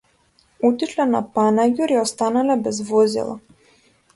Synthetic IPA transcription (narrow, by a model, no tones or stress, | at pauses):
ut̪iʃlɛna̰panaɡʲuɾiɔst̪analɛbɛzvɔzḭlˠa̰